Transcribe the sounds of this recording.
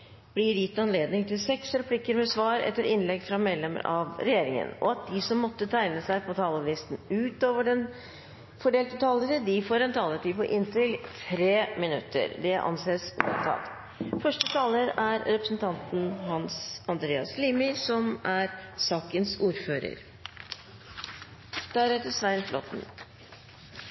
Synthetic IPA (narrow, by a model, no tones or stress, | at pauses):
b̥lɪɾjɪt̪ːɑnleːd̪nɪŋt̪ʰɪlsɛksɾɛpʰlɪkːəɾmɛsʋɑːɾɛ̰t̪ːəɾɪnlɛɡfɾɑmɛd̪lɛmə̰ɾɑʋɾɛjeːɾɪŋə̰nɔ̰ɑt̪̚d̪ɪsɔmːɔt̪ːət̪ʰæɪnəsæɪpʰɔt̪ʰɑːləʋiːsnʉːt̪oːʋəɖɛn | fɔɖeːlt̪ət̪ʰɑːləɾəd̪ɪfoːɾɛnt̪ʰɑːlət̪iːpɔʔɪnt̪ɪlt̪ʰɾeːmɪnʉ̰t̪ʰːə̰ɾd̪ɛʔɑ̰nseːst̪ʰɑ̰t̪ | fœʂʈət̪ʰɑːləɾæɾɾɛpɾəsn̩t̪ʰɑnt̪n̩ɦɑnsɑnd̪ɾeːɑsliːmɪsɔmæɾsɑːkənsuːɾføːɾə̰ɾ | d̪̥æɾæt̪əsʋæɪnflɔ̰t̪n̩